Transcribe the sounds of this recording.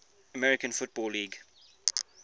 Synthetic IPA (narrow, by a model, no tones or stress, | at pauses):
əmɛɹɪkə̃nfʊt̚b̥ɔːlːiːɡ